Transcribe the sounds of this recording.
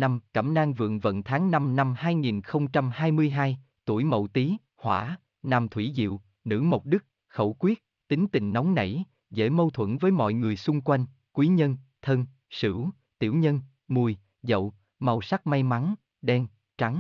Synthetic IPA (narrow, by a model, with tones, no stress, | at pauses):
na˧mkaː˧˩mnaː˧ŋvɨ̰˧˨əŋvə̰˧˨nt̪ʰaː˨˦ŋna˧mna˧mhaː˧jŋi˨˩nxə˧wŋ͡mt͡ɕa˧mhaː˧jmɨ˧əjɦaː˧j | t̪u˧˩əjmə̰˧˨wt̪i˨˦ | hwa̰ː˧˥ | na˨˩mt̪ʰwi˧˩zḭ˧˨w | nɨ̰˧˥mo˨˩wk͡p̚ɗɨ˦˥k̚ | xə˧˩wkwi˦˥ət̚t̪ï˨˦ŋt̪ï˨ŋ̟nɔ˨˦wŋ͡mnə̰˧˩j | zḛ˧˥mə˧wt̪ʰwə̰˧˩nvəː˨˦jmɔ̰˧˨jŋɨ˨˩əjsʊ˧ŋ͡mkwa˧jŋ̟ | kwi˨˦ɲə˧nt̪ʰə˧n | sɨ̰˧˩˥ | t̪i˧˩əwɲə˧n | mu˨˩j | zə̰˧˨w | ma˨˩wsa˦˥k̚ma˧jma˨˦n | ɗɛ˧n | t͡ɕa˨˦ŋ